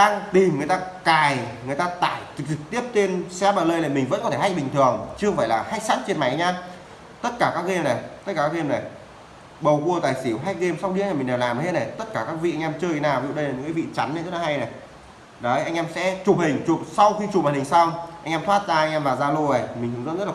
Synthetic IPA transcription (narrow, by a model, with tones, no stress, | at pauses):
ɗaː˧ŋt̪i˨˩mŋɨ˨˩əjt̪aː˧kaː˨˩jŋɨ˨˩əjt̪aː˧t̪a̰ː˧˩˨jt͡ɕɨ˨˩k̚t͡ɕɨ˨˩k̚t̪i˦˥əp̚t̪e˧nsɛ˧˦˥ɓaː˨˩ləː˧jlaː˨˩jmï˨˩ŋ̟və̰˧˥nkɔ˦tʰe˧˩ha˦˥k̚ɓï˨˩ŋ̟t̪ʰɨ˨˩əŋt͡ɕɨ˦˧˥ə˧ŋfəː˧˩jlaː˨˩ha˦˥jk̚sa˦˥t̚t͡ɕe˧nma˨˦jɲaː˧ | t̪ə˦˥t̚kaː˧˩kaː˦˥k̚ɣe˧mna˨˩jt̪ə˦˥t̚kaː˧˩kːaː˦˥ɣe˧mnə˨˩j | ɓə˨˩wku˧ət̪aː˨˩jsi˧˦wɦa˦˥jk̚ɣe˧msa˧wɗi˧˦˥ɲa˨˩ï˨˩ŋ̟ɗɛ˨˩wlaː˨˩m˨e˦˥ne˨˩jt̪ə˦˥t̚kaː˧˩kaː˦˥k̚vḭ˧ʔa˧ŋʔɛ˧mt͡ɕəː˧jʰe˨˦naː˨˩wvḭ˧˨ɗə˧jla˨˩ɲɨ̰˧˥kaː˨˦vḭ˧˨t͡ɕa˨˦nː˧t̪ʰə˦˥aː˧ha˧jna˨˩ | ɗə˨˦jʔa˧jŋ̟ʔɛ˧msɛ̰˧˥t͡ɕʊ˨˩p̚hï˨˩ŋ̟t͡ɕu˨˩sa˧wxi˧t͡ɕu˨˩maː˨˩hï˨˩ŋ̟sa˧wʔa˧jŋʔɛː˧mt̪ʰwaː˦˥t̚zaː˧ʔjŋʔɛ˧mvaː˨˩zaː˧lu˧ʔə˨˩jʰmi˨˩ŋ̟t̪ʰɨ˨˩ŋzə̰˧˥nzə˦˥tla˨